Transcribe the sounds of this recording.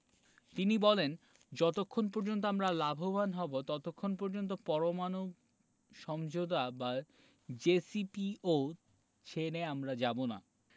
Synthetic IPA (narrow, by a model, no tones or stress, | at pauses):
t̪inibɔlen | d͡ʑɔt̪okʰːonp̬ɔɾd͡ʑont̪̬oamɾalabʱobanɦɔbot̪ɔt̪okʰːonpɔɾd͡ʑont̪̬opɔɾomanoɡ | ʃɔmd͡ʑod̪aba | d͡ʑesipio | t͡ɕʰeneamɾad͡ʑabona̰